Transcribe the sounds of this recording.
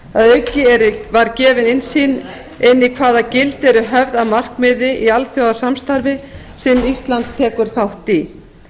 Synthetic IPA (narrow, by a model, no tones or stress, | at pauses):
aðœɥcɪɛɾʏvaɾcɛːvɪnɪnsiːn | ɪnːikʰvaːðacɪlt̪ɛɾʏɦɛvðaðmar̥kmɪðɪʔialθjoːwðasamst̪aɾvɪ | sɛmist̪lant̪ʰːɛːkʏɾ̥θawht̪i